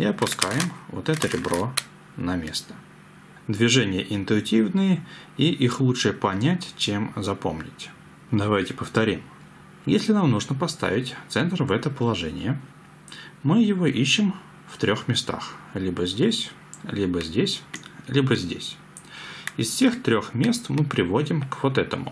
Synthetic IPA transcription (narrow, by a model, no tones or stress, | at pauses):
iɐpʊskajɪmvo̰t̪ɛt̪əɾʲɪbɾo̞ | nɐmʲe̞̰st̪ə̥ | d̪vʲɪʐɛnʲɪjəʔɪnt̪ʊɪtʲivnɨjə | iʔixlˠuʂɨjəpɐnʲætʲt͡ɕemzɐpo̞̰mnʲɪ̰tʲ | d̪ɐvajtʲɪpəft̪ɐɾʲim | jesʲlʲɪnamnuʐnəpɐst̪a̰vʲɪtʲt̪sɛnt̪rvɛt̪əpəlˠɐʐɛnʲɪ̰jə | mɨjɪvoʔiɕːɪm | ft̪ɾʲo̞xmʲɪst̪a̰xlʲibəzʲdʲesʲ | lʲibəzʲdʲesʲlʲibəzʲdʲesʲ | ɪsfsʲe̞xt̪ɾʲoxmʲe̞st̪mɨpɾʲɪvo̞dʲɪmkvo̞t̪ɛt̪ə̰mʊ̰